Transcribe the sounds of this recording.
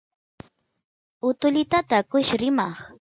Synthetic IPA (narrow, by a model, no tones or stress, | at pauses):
ʊt̪ʊʎɪt̪at̪akʊʃɾɪmɑχ